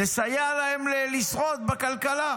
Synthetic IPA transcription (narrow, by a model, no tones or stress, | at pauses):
esajalahemlelisʁot̪̚bakalkala